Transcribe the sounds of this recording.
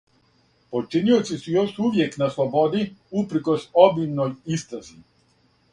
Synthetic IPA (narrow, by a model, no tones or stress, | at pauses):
pot͡ʃiniot̪sisujoʃuʋjeknaslˠobod̪iupɾkosobimnojist̪ɾazi